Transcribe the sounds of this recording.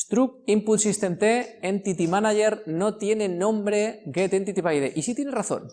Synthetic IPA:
st̪ɾuk̚imput̪sist̪ent̪eent̪it̪imanaʝeɾnot̪jenenõ̞mbɾeɡet̪ent̪it̪iβajðḛʔisit̪je̞neraθo̰n

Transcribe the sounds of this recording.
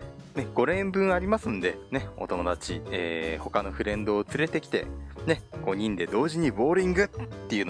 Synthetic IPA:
ne̞ɡ̥o̞ɾẽ̞mbɯ̟̃ɰ̃aɾʲimasɨ̃nd̪e̞ne̞o̞̰t̪o̞mo̞d̪at͡ɕieːho̞kano̞ɸɯ̟ɾẽ̞nd̪o̞ːt͡sɨɾe̞t̪e̞kʲi̥t̪e̞̰ne̞ɡ̥o̞ɲ̟ĩnd̪e̞d̪o̞ːʑiɲ̟ibo̞ːɾʲĩŋɡɯ̟t̪ːe̞jɯ̟n

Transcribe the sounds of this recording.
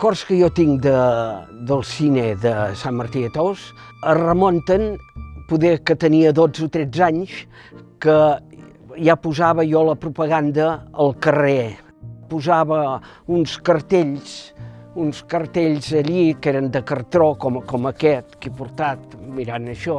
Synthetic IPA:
kɔrskəjɔt̪iŋd̪əd̪əlˠsineðəsamməɾt̪iət̪os | ərəmont̪ənpuðekət̪əniəðod͡zut̪ɾɛd͡zaɲs | kə | japuzaβəjɔləpɾupəɣand̪əəlˠkəre | puzaβə | unskəɾt̪eʎsunskərt̪eʎzəʎikeɾənd̪əkərt̪ɾokɔmkɔməkɛt̪̚kipuɾt̪at̪miɾanəʃɔ

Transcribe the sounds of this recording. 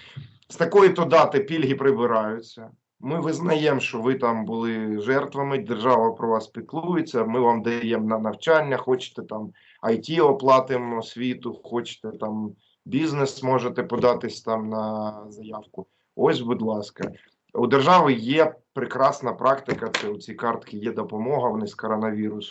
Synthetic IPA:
st̪ɐkɔjit̪ɔd̪ɑt̪ɪpʲilʲɦʲipɾɪbɪɾɑjʊt͡sʲːɐ | mɪʋɪznɐjɛmʃɔʋɪt̪ɑmbʊlˠɪʒɛrt̪ʋɐmɪd̪erʒɑʋɐpɾɔʋɑspʲik̪lˠujet͡sʲːɐmɪʋɑmd̪ɐjɛmnɐnɐwt͡ʃɑnʲːɐxɔt͡ʃɪ̥t̪ɛt̪ɑm | ɐjtʲiɔplˠɑt̪ɪmɔsʲʋʲit̪ʊxɔt͡ʃɪ̥t̪ɛt̪ɑm | bʲiznesmɔʒet̪ɛpɔd̪ɑt̪ɪsʲt̪ɑmnɐzɐjɑwkʊ | ɔsʲbud̪lˠɑskɐ̰ | ud̪erʒɑʋɪjɛpɾɪkɾɑsnɐpɾʔɑkt̪ɪkɐt̪ɛʊt͡sʲijkɑrt̪kɪjɛd̪ɔpɔmɔɦɐʋɔnɪsʲkɔɾɔnɐʋʲiɾʊs

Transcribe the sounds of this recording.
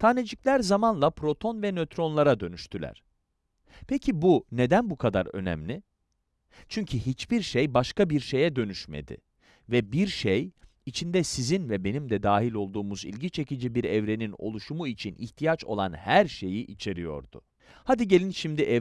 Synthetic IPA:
t̪ʰaned͡ʒiclʲæɾzamanlˠapʰɾo̞t̪ʰo̞nvɛnøt̪ɾo̞nlˠaɾad̪ø̞nyʃt̪ʰylʲæ̰ɾ̥ | pʰecʰibune̞d̪ænbukʰad̪a̰ɾø̞̰nɛ̰mlʲɪ | t͡ʃʰyɲcʰyɦit͡ʃbiɾʃejbaʃkabiɾʃe̞jɛd̪ø̞nyʃmḛd̪ɪ̰ | vɛbiɾʃej | it͡ʃʰind̪ɛsizinvɛbe̞nimd̪ɛd̪aːɦilʲo̞lˠd̪uːmuzḭlʲɟit͡ʃʰe̞cid͡ʒibiɾɛvɾe̞nino̞̰lˠuʃumuit͡ʃʰinḭçt̪ʰijat͡ʃo̞̰lˠanhæɾʃe̞jiʔit͡ʃʰe̞ɾijo̞̰ɾd̪ʊ̰ | had̪iɟe̞lʲinʃimd̪iʔɛ

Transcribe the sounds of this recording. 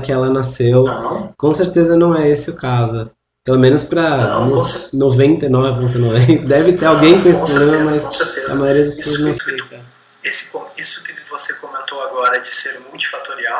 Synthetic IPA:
kɪɛlɐnasewkõseɾt̪ezɐnɐ̃w̃ɛesɪʊkazʊ | pelomẽnʊspɾɐnonovẽnt̪ɐnɔvɪvõt̪ɐnovẽnt̪ɐd̪ɛvɪt̪eɾawɡẽj̃kõesɪpɾoblẽmɐmɐsseɾt̪ezɐ̰majoɾiɐd̪ɐspe̥sowɐznõspik̪ɐ̃ | esɪ̥kõisʊkɪvosekomẽnt̪owaɡɔɾɐd͡ʒɪseɾmuwt͡ʃi̥fat̪oɾiaw

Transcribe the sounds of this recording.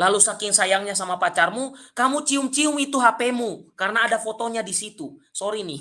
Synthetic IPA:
lalusakɪŋsajaŋɲas̬amapat͡ʃarmukamut͡ʃiʊmt͡ʃiʊmit̪uɦapɛmukarnaːdafɔt̪ɔɲadisit̪usɔɾini

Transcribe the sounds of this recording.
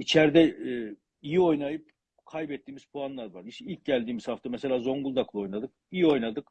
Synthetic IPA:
it͡ʃʰɛɾd̪ɛ | ijio̞jnajɯp̚ | kʰajbɛt̪ːiːmiz̥pʰuanlˠaɾvaɾiʃt̪ɛilʲc̚ʲɟælʲd̪iːmiz̥haft̪amɛse̞lʲaːzo̞ŋɡulˠd̪aklˠɯo̞jnad̪ɯk̚ | ijio̞jnad̪ɯk

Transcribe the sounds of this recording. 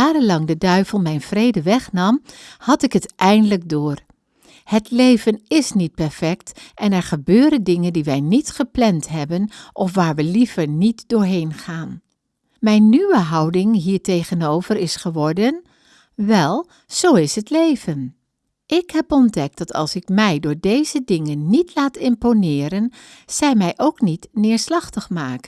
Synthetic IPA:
aːɾənlɑŋdədœɥvəlˠmɛjnv̥rejdəʋɛχnɑmhɑtɪkɦətʔɛjndələk̚dʊːr | hətlejvənɪsnit̚pɛɹfɛktʔɛnɛɹχəbøːɾəndɪŋəndiʋɛjnitχəplɛntɦɛbənʔɔfʋaːɹʋəlivəɹnitdʊːɹɦejnχaːn | mɛjnːyʋəɦɑwdɪŋɦiːɹtejχənowvərɪsχəʋɔɹdən | ʋɛlˠ | z̥owɪsɦətlejvən | ʔɪkɦɛpɔndɛk̚d̥ɑtʰɑ̰lˠsɪkmɛjdʊːɹdejzədɪŋənːitlaːtɪmponɪːɾənz̥ɛjmɛjʔowknitnɪːɹslɑχtəχmaːkən

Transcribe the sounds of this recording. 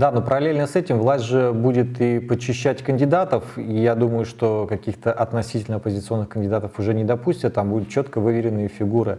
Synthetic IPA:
d̪ano̞pəɾɐlʲelʲnəsɛtʲɪmvlˠasʲtʲʐɨbudʲɪt̪ipət͡ɕːɪɕːætʲkənʲdʲɪd̪at̪əfijad̪uməjʊʂt̪o̞kɐkʲixt̪əʔɐt̪nɐsʲitʲɪlʲnəɐpəzʲɪt̪sɨo̞nːɨxkənʲdʲɪd̪at̪əfʊʐɛnʲɪd̪ɐpusʲtʲət̪ːambud̪ʊt̪̚t͡ɕo̞t̪kəvɨvʲɪɾʲɪnːɨjəfʲɪɡuɾɨ

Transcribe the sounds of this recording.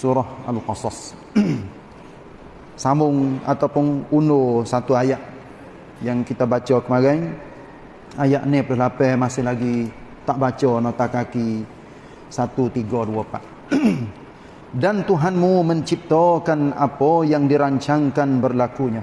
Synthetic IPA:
suɾɔhalqɑsɑs | samʊŋa̰t̪awpʊnunosat̪uajaʔ | jaŋkit̪abat͡ʃɔkəmaɡaŋ | ajaʔnɪpləlapɛmasɪhlaɡi | t̪aʔbat͡ʃɔnot̪akaki | sat̪ut̪iɡɔduapaʔ | dant̪uɦanmuməɲt͡ʃip̚t̪ɔkana̰pɔjaŋdiɾaɲt͡ʃaŋkanbərlakuɲa

